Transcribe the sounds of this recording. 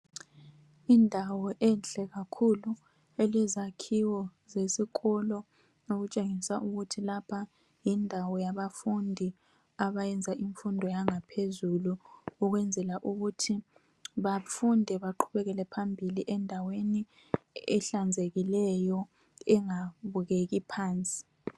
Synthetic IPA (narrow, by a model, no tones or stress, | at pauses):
indʱawɔʔɛnɬɛɣakʰulu | elɛzakʰiwɔzesiɣɔlɔ | noɣut͡ʃʼeŋisaʔuɣutʰilapʰa | jindʱawɔjaβafundʱi | aβajɛnd͡zʱaʔiɱfundʱɔjaŋapʰezuluːɣwɛnd͡zʱɛlaʔuɣutʰi | βafundʱɛβaǃʰuβɛɣɛlɛpʰambʱiliʔɛndʱaweni | ɛɬand͡zʱeɣilɛjɔ | ɛŋaβuɣeɣipʰaːnt͡sʼi̥